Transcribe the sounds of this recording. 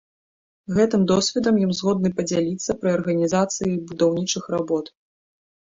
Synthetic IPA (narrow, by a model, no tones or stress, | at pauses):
ɣɛt̪ɨmd̪ɔsʲvʲɛd̪ɐmjimzɣɔd̪nɨpɐd͡zʲalʲit̪sːɐpɾɨɐrɣɐnʲizat̪sɨjibud̪awnʲit͡ʂɨxrabɔt̪